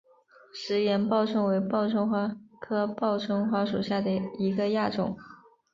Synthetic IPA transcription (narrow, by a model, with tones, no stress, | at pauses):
ʂɻ̩˧˥ɥɛ˧˥npɑ˥˧ʊʈ͡ʂʰɤ˥˩ŋwe˧˥ɪpɑ˥˧ʊʈ͡ʂʰʊ˥ŋxwa˥kʰɤ˥pɑ˥˩ʊʈ͡ʂʰʊ˥ŋxwa˥ʂṵ˨˩ɕja˥˩d̪ə˩i˧˥ɡə˧ja˥˩ʈ͡ʂʊ̰˨˩˦ŋ